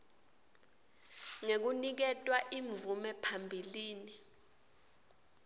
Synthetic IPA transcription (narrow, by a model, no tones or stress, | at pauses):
ŋek̬unik̬ɛtʼwaʔiɱvumɛpʰambʱiliːni